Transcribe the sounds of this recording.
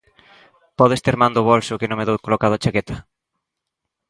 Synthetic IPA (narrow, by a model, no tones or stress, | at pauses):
pɔðest̪eɾmand̪ʊβolsʊkɪnõŋmeðowkolokaðʊat͡ʃakɛt̪ɐ̥